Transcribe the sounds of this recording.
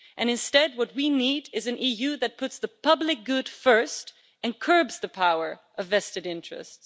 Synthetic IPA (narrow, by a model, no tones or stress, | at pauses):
ʔɨ̃nɨ̃nstɛd̚wʌt̚winiɾɪzɨ̃n̩ʔijʉðɨt̚pʰʊtsðɨpʰʌblɨk̚ɡ̥ʊd̥fɜ˞st | ɨ̃nkʰɜ˞bzðɨpʰaʊə˞ʔʌvɛstɨɾɪ̃nt͡ʃɹ̥ɨ̰sts